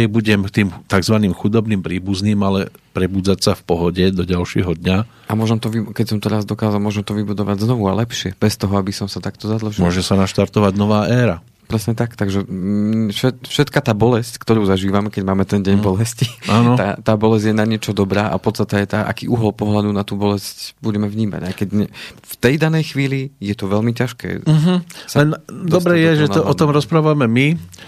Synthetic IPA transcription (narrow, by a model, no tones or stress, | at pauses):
ɛjbuɟɛmt̪iːmt̪aɡzʋaniːmxud̪ɔbniːmpɾiːbuzniːmalɛ | pɾɛbuːd͡zacsafpɔɦɔɟɛd̪ɔɟalʃɪɛ̰ɦɔd̪ɲa | ʔamʊɔʒɛmt̪ɔʋikɛcsɔmt̪ɛɾazd̪ɔkaːzalˠmʊɔʒɛmt̪ɔʋibud̪ɔʋaɟznɔʋualɛpʃɪɛb̥ɛst̪ɔɦɔabisɔmsat̪akt̪ɔzad̪l̩ʒimʊɔʒɛsanaʃt̪aɾt̪ɔʋaɟnɔʋaːʔɛːɾa | pɾɛsɲɛt̪akt̪aɡʒɛfʃɛfʃɛt̪kat̪aːbɔlɛsckt̪ɔɾuːzaʒiːʋamɛkɛɟmaːmɛt̪ɛnɟɛɲbɔlɛsciaːnɔat̪aːbɔlɛzɟjɛnaɲɪɛt͡ʃɔd̪ɔbɾaːʔa̰fpɔt̪st̪at̪ɛajt̪aːʔa̰kḭːʔuɦɔlpɔɦlad̪unat̪uːbɔlɛscbuɟɛmɛʋɲiːma̰ɟajkɛɟɲɛft̪ɛjd̪anɛjxʋiːlijɛt̪ɔʋɛlmicaʃkɛ̰ːɦ̩slɛnd̪ɔsbɾɛjɛʒɛɔʔɔɔmɾɔspɾaːʋamɛmi